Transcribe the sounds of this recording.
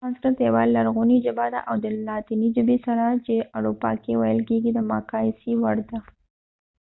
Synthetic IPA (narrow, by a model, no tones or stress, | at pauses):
askat̪ewɑlːaɾɣunid͡ʒʊbad̪a̰ʔawd̪əlɑt̪inid͡ʒʊbisaɾat͡ʃeʔaɾupɑ̰kewajəlkeɡid̪əmɑ̰kɑsiwaɽd̪a